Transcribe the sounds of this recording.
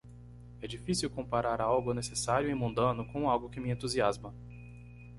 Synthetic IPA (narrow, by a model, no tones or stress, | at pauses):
ɛd͡ʒifisiwkõmpaɾaɾawɡʊnesesaɾjʊimũnd̪ɐ̃nʊkõw̃awɡʊkɪmɪẽnt̪uziazmɐ